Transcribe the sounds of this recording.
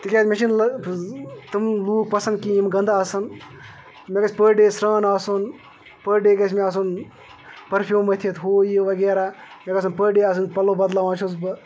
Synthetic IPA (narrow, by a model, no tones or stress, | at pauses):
t̪ikʲaːsmʲeʃinlɐ | t̪ɨmluːk̚pɐsɐnd̪̚kijimɡɐnd̪aɐsɐn | mʲekɐsʲpəɖeːsɾaːnaːson | pəɾɖeːɡɐsʲmeɐːs̬un | pɐɾpʰʲjuːmɐt̪ʰit̪ɦoːjiʋɐɡeːɾaːmʲekɐsɐnpəɖeːɐːs̬ɐnpɐlːobɐd̪laːʋãːt͡ʃʰosbɨ